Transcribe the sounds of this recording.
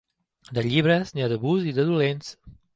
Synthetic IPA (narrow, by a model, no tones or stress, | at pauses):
d̪əʎiβɾəzniaðəβuziðəðulens